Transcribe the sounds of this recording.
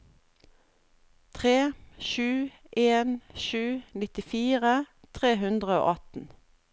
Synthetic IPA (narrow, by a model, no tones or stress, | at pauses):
t̪ʰʁeːʃʉː | ʔeːnʃʉːnɪt̪ɪfiːʁə | t̪ʰʁeːɦʉnd̪ʁəo̰ːʔɑt̪n̩